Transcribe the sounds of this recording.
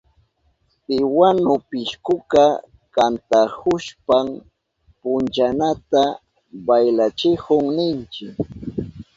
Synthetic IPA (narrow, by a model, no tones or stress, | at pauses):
t̪ɪwanʊpɪʃkʊka | kant̪ahʊʃpam | pʊnt͡ʃanat̪a | bajlat͡ʃɪhʊŋnɪnt͡ʃɪk